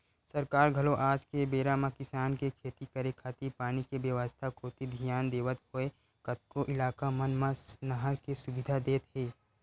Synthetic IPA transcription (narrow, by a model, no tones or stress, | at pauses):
sɐɾkaːɾɡʱɐloʔaːd͡ʒkebeːɾamãkɪsaːnkekʰeːt̪ikəɾekʰaːt̪ipaːnikebjəʋəst̪ʰakʰoːt̪id̪ʱijaːnd̪eːʋət̪ɦoe | kɐt̪̚koʔɪlaːkamɐnmãsnɐɦakesʊbɪd̪ʱad̪eːt̪ɦeː